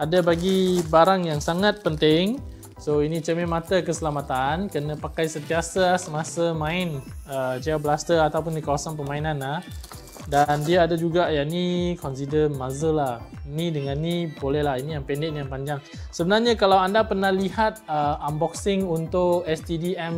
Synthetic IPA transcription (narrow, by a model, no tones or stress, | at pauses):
adabaɡibaɾaŋjaŋsaŋat̪̚pənt̪ɪŋ | soinit͡ʃəmɛmat̪akəsəlamat̪ankənãpakajsənt̪iasasəmasəmãɪnət͡ʃiabəlast̪əat̪awpʊndikawasanpəmainanlah | dandiaadad͡ʒuɡaʔjanikɔns̬idəmazəlahinidəŋanːibolɛhlahinijaŋpɛndɛnjaŋpaɲd͡ʒaŋ | səbənarɲakalawandapərnahliɦat̪̚əʔambɔk̚sɪŋunt̪ʊkɛst̪idiɛm